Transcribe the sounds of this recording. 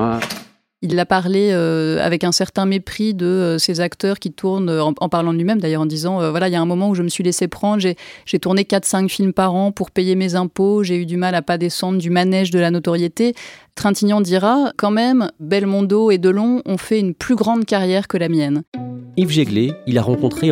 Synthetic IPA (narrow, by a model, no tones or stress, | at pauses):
ilːapaʁleøa̰vɛkɛ̃sɛʁt̪ɛ̃mepχid̪əøsezakt̪œʁkʲit̪ʰuʁnøɑ̃ʔɑ̰̃paʁlɑ̃d̪lɥimɛmd̪ajœʁɑ̃d̪izɑ̃øvwalailjaɛ̃mɔmɑ̃uʒəməsɥilesepχɑ̃d̪ʁʒeʒ̥et̪uʁnekat̪χsɛ̃kfilmpaʁɑ̃puʁpejemezɛ̃poʒeyd̪ymalapad̪esɑ̃d̪ʁd̪ymanɛʒd̪əlanɔt̪ɔʁjet̪et̪χɛ̃t̪injɔ̃d̪iʁakɑ̃mɛmbɛlmɔ̃d̪oed̪əlɔ̃ɔ̃fɛynplyɡʁɑ̃d̪kaʁjɛʁkəlamjɛnivʒeɡleilaʁɑ̃kɔ̃t̪χe